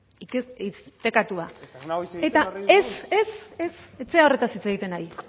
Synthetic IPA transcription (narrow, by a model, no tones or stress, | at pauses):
iist̪e̞kat̪ua | et̪aesesese̞t͡se̞ao̞re̞t̪asit͡seɣit̪e̞naj